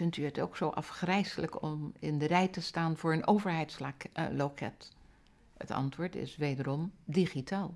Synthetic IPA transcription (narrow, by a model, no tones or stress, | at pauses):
fɪntyətowksowʔɑfχrɛjsələkɔmɪndərɛjtəstaːnv̥ʊːɹənʔowvəɹɦɛjtslokɛ̰t | ə̰tɑ̰ntʋʊːɹtɪ̰sʋejdərɔmdiχitaːlˠ